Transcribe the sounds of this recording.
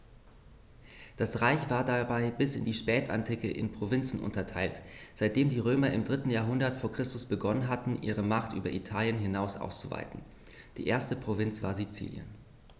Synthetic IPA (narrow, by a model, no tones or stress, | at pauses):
d̥asʁaɪçv̥aːɐdabaɪbɪsɪndiːʃpɛːtʰa̰ntʰɪkəʔɪ̰npʁ̥ovɪnt͡sn̩ʔʊ̰ntɐtʰaɪltz̥aɪt̚d̥eːmdiːʁ̞øːmɐɪmdʁɪtn̩jaːɐɦʊndɐtfoːɐkʁ̥ɪstʊsb̥əɡɔnənɦatn̩ʔḭːʁ̞əmaχtʔy̰ːbɐʔitʰaːljənɦɪnaʊsʔa̰ʊst͡suva̰ɪtn̩ | d̥ḭːʔeːɐstəpʁ̥ovɪnt͡sv̥a̰ːɐzit͡sḭːljə̰n